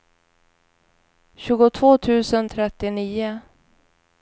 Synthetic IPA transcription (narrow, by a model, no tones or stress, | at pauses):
ɕʉ̟ːɡʊt̪ʰvoːt̪ʰʉ̟ːsənt̪ʰɾɛt̪ːɪniːʊ